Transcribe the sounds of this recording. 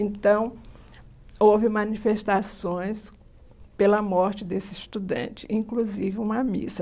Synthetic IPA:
ẽnt̪ɐ̃w̃ | owvɪmɐ̃nifeʃt̪asõj̃s | pelɐmɔɾt͡ʃɪd̪esɪst̪ud̪ɐ̰̃t͡ʃɪ̥ʔĩkluzivɪũmɐmḭsɐ

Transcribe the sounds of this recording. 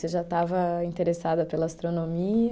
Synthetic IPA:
seʒat̪avɐĩnt̪eɾesad̪ɐpelɐast̪ɾonomi

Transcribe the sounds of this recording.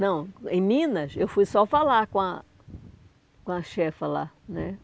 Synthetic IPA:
nɐ̃w̃ḛ̃j̃mĩnɐsewfujsɔfalaɾkõɐ | kõɐʃɛfɐla̰ | nɛ

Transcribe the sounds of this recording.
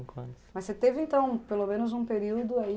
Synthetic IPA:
kɐ̰̃d̪mɐsset̪evɪẽnt̪ɐ̃w̃pelomẽnʊzũpeɾiwd̪ʊai

